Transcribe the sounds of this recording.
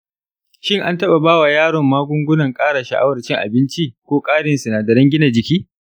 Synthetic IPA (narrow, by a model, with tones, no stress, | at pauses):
ʃɪ˦ŋʔa˦ntɐ˦ɓa˨baː˦wa˨jaː˦ɽɔ˨mːaː˦ɡʷʊ˦ŋɡʷʊ˦nɐ˨ŋkʼaː˦ɽa˨ʃa̰˨ʔa̰˦wɐ˨t͡ʃɪ˦ŋʔa̰˨bɪ˦nt͡ʃi˦kʷoː˦kʼaː˦ɽɪ˨nsɪ˨naː˨dɐ˨ɾɛ˦ŋɡʲɪ˦na˨d͡ʒɪ˨kʲiː˦